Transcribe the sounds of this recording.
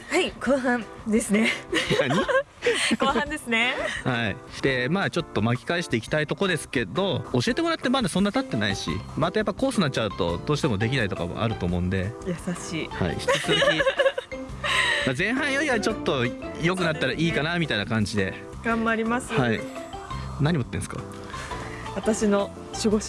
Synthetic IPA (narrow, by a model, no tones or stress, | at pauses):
haikʰoːɦãnd̪e̞sɨnenaɲii | kohãnd̪esɨnehaḭɕi̥t̪e̞maːt͡ɕo̞t̪ːo̞makʲi̥kaiɕi̥t̪eikʲi̥t̪ait̪o̞ko̞d̪e̞sɨ̥ke̞d̪o̞oɕie̞t̪emo̞ɾat̪ːe̞mad̪asonːat̪at̪ːe̞naiɕḭmat̪ajapːai̥ko̞ːsɨnat͡ɕ̚ːt͡ɕaɯ̟t̪o̞̰d̪o̞ːɕi̥t̪emo̞d̪e̞kʲinait̪o̞ka̰mo̰ʔa̰ɾɯ̟t̪oːmo̞ɯ̟̃nd̪e̞jasaɕiːha̰ḭçi̥ɨt͡sɨzɨkʲi | maːzẽ̞ɰ̃ɦãɰ̃joɾʲiβat͡ɕo̞t̪ːo̞jo̞k̬ɯ̟nat̪ːaɾaʔiːkanamʲit̪ainakãɲ̟d͡ʑid̪e̞ | ɡ̥ãmbaɾʲimasɨhai | naɲ̟imot̪ːẽsɨ̥ka̰ | βat̪aɕino̞ | ɕiɡo